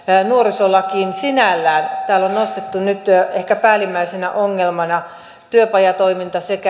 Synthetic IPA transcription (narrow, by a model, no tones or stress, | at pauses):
nuorisolɑkiːnsinælːæːnt̪æːlonnost̪et̪ːunyt̪ehkæpæːlimːæisenæ̰ʔoŋːelmɑnɑ | t̪yøpɑjɑt̪oimint̪ɑsekæ